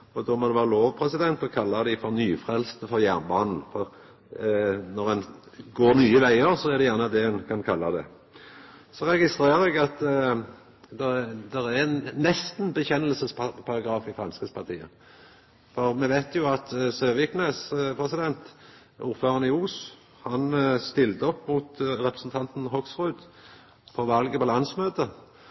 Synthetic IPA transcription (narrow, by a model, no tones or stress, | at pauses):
ɔd̪ɔmɔd̪ɛʋæːʁəloːʋpʰɾɛsɪd̪ɛnt̪ɔkʰɑlːɑd̪æɪfɔɾnyːfɾɛlst̪əfɔʁjænbɑːnn̩fɔʁ | nɔʁɛn | ɡoːɾnyːəʋæɪəɾsɔɛʁd̪ɛjæʁnəɑd̪ɛɛnkʰɑnkʰɑlːɑd̪ɛ̰ | sɔʁɛɡɪst̪ɾeːʁɛɡɑt̪ | d̪ɛd̪ɛʁænɛst̪nbəçɛnːəlsəspʰɑʁɑɡɾɑːfɪfʁɑnskəspʰɑʁt̪ʰiːə̰ | fɔʁmɛʋæɪt̪ʰjʊɑt̪søːʋɪknespʰɾɛsɪd̪ɛnt̪ | ʔṵːʁføːʁɑnɪuːs | hɑnst̪ɪlt̪əɔpːmuːt̪ɾɛpɾəsn̩t̪ʰɑnt̪n̩ɦɔksʁʉːd̪ | pʰɔʋɑlɡəpɔlɑnsmøːt̪ə